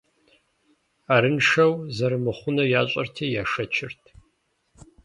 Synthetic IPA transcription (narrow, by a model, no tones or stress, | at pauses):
aːɾɨnʂɐwzɐɾɨmɨχʷʊnɐjaːɕʷʼɐ̰rtʰɐjaːʂɐt͡ʃʰɪrtʰ